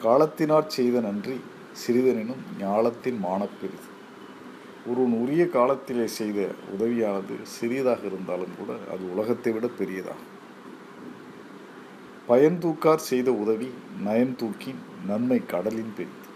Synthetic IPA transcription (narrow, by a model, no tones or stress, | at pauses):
kaːlɐt̪ːɪnaːɾsɛjðɐnɐndri | sɪɾɪðɐnɪnɯmɲaːlɐt̪ːɪnmaːɳɐpːɛɾɪðɯ | ɔɾɯnurɪjɐkaːlɐt̪ːɪleːsɛjðɐ̰ʊ̰ðɐʋɪjaːnɐðɯ̰sɪɾɪjɐðaːɣɐɪɾɯnd̪aːlɯmkṵːɽɐ̰ɐ̰ðɯʊlɐɣɐt̪ːɐɪʋɪɽɐpːɛɾɪjɐða̰ːɣɐ | pɐjɐnt̪̬uːkːaːɾsɛjðɐʊðɐʋinɐjɐnt̪uːkːɪn | nɐnmɐɪkːɐɽɐlɪnpɛɾɪðɯ